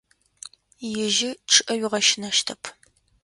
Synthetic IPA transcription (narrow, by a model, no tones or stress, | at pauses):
jɪʒɪʈ͡ʂʰɨʔɐɥɪʁɐʃɪnɐʃtʰɐpʰ